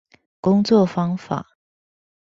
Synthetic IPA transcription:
kʊ˥ŋt͡swɔ˥˩fɑ˥ŋfa̰˨˩˦

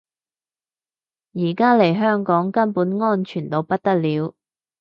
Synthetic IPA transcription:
jiː˨˩kaː˥le˨˩jɦœː˥ŋkɔː˨˥ŋkɐ˥npuː˨˥nŋɔː˥nt͡ʃʰyː˨˩nt̪o˧wpɐ˥t̚t̪ɐ˥k̚liː˨˥w

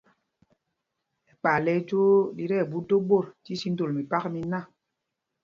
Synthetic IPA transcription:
ɛ˨k͡pa˨lɛ˦d͡ʒo˦di˦ɾɛ˦˨bu˦do˦ɓo˦˨ɾti˦si˦n̩˦to˨lmi˨pa˦kmi˦na˦˨

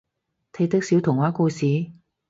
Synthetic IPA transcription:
t̪ʰɐ˧t̪ɐ˥k̚siː˨˥wt̪ʰʊ˨˩ŋwaː˨˥kuː˧siː˨˥˦

